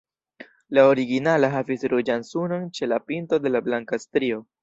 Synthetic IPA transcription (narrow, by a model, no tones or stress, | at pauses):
laoɾiɡinalaɦavisɾud͡ʒansuno̞nt͡ʃe̞lapinto̞de̞lablaŋkastɾio̞